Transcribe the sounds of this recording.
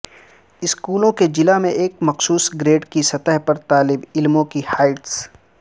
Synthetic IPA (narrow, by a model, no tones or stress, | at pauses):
ɪskuːlõked͡ʒɪlamẽʔeːk̚mɐqsuːsɡɾeːɖkisɐt̪əɦpɐɾt̪aːlɪbɪlmõkihaːɪʈs